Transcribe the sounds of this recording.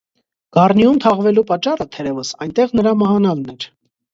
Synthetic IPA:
ɡ̥ɑrniumt̪ʰɑʁvɛlupɑt͡ʃːɑrət̪ʰɛɾɛvəsɑjnt̪ɛʁnəɾɑməhɑnɑlnɛɾ

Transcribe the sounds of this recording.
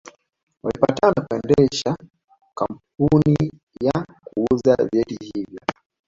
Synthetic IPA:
walipatanakuɛndɛʃa | kam̩p̚uni | jakuuzavjɛtihivjɔ

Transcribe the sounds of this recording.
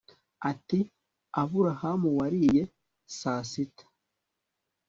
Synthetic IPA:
ati | avuɾahamuwaɾiːje | sasitḁ

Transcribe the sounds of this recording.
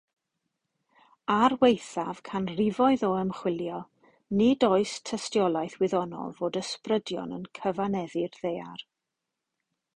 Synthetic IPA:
arwejθav̥kʰanrɪvɔɨðɔəmχwɪljɔ | nidoɨstʰəstjɔlˠajθwɪðɔnɔ̰lˠvoːdəsprədjɔ̰nə̰nkʰəvanɛðɪrðejar

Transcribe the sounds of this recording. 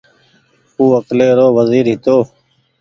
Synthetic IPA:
uːəkleːɾoːʋəziːɾɦɪt̪oː

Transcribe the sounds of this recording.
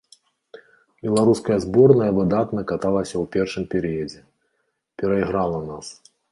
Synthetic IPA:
bʲɛlˠaɾuskɐjɐzbɔrnɐjɐvɨd̪at̪nɐkat̪alˠɐsʲɐwpʲɛrʂɨmpʲɛɾɨjɐd͡zʲɛ | pʲɛɾɐiɣɾalˠɐnas

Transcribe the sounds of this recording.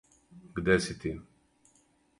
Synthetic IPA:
ɡd̪æsit̪i

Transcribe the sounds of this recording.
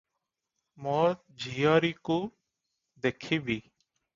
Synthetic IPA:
moːɾ | d͡ʒʱiːaːɾiːkoː | d̪eːkʰiːbʱiː

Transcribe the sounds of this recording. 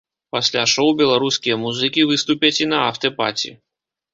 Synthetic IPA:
pasʲlʲaʂɔwbʲɛlˠaɾuskʲijɐmuzɨkʲivɨst̪upʲɐt͡sʲinɐaft̪ɛpa̰t͡sʲḭ

